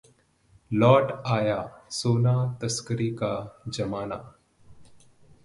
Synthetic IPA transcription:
lɔːʈaːjaːsoːnaːt̪ɐskəɾikad͡ʒɐmaːna̰ː

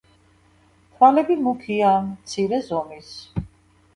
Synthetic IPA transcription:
tʰwalɛbimukʰiaːmt̪sʰiɾɛzɔmis

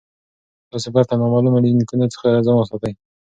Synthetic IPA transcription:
t̪ɑsebaɾt̪amamɑlumad̪inkunat͡sə̥xaɾɑzamasɑt̪aj

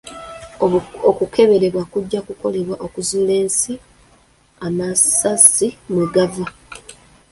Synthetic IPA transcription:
okukʰe̞βe̞ɾe̞βwakuɟːakuko̞le̞βwaʔo̞kuzuːle̞ːnsi | amasasimwiɡava

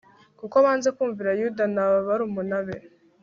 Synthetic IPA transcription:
kukoβaːnze̞kuːɱviɾajudanaβaβaɾumunaβe

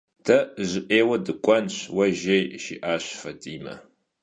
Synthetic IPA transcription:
tʰɐʑɪʔeːwɐdɨkʷʼɔnɕwɐʒejʃḭːʔaːɕfɐdiːmɐ̰

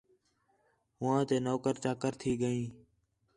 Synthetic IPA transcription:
ɦʊãːt̪eːnoːkəɾt͡ʃaːkəɾt̪ʰiːɠəĩː

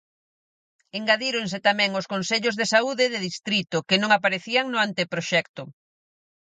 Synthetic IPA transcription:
eŋɡaðiɾons̬ɪt̪amɛ̃ŋoskonseʎozðesauðɪðɪðist̪ɾit̪ʊkɪnõŋapaɾeθiaŋnʊant̪epɾoʃɛkt̪ʊ

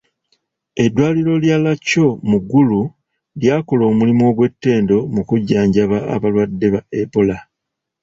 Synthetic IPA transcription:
e̞dwaːliɾo̞ljalaco̞muɡːulu | ljaːko̞lo̞ːmulimo̞ɡwe̞tːe̞ːndo̞mukuɟːaːɲɟaβaa̰βalwadːe̞βaepola

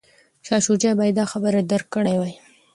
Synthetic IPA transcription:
ʃɑʃud͡ʒabaj̪d̪ɑxabəɾad̪əɾkːəɽajwaj

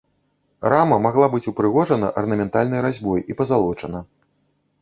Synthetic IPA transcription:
ramɐmaɣlˠabɨt͡sʲupɾɨɣɔʐɐnɐʔɐrnɐmʲɛnt̪alʲnɨjɾazʲbɔjipɐzalˠɔt͡ʂɐnɐ

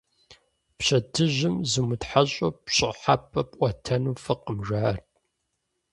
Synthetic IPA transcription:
pɕɐdʰɨʑɪmzɨmʊtħaɕʼɐpɕʼɨħapʰʼɐpʼʔʷɐtʰɐnuːfɨqəmʒaːrt̚ʰʼ

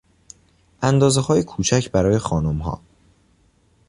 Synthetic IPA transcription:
ʔænd̪ɒːzehɒːje̞kʰuːt͡ʃʰæcʰbæɾɒːjexɒːnomɦɒ̰ː

